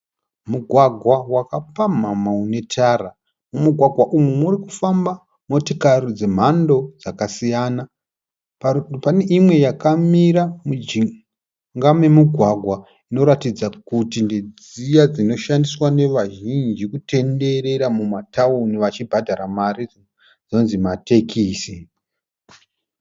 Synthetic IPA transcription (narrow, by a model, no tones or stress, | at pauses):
muɡʱwaɡʱwawakapamamaune̞tʰaːra | mumuɡʱwaɡwaʔumumurikufamba | motikarid͡ze̞m̤ando̞d͡zakasijaːna | pane̞ʔimwe̞jakamiɾamu | ŋɡame̞muɡʱwaɡʱwa | ino̞ɾatid͡zakutinded͡z | ijad͡zino̞ʃandiswane̞ʋaʒind͡ʒikute̞nde̞ɾe̞ɾamumatʰaoniʋat͡ʃibʱadʱaɾamari | d͡znonzimate̞kʰiːsi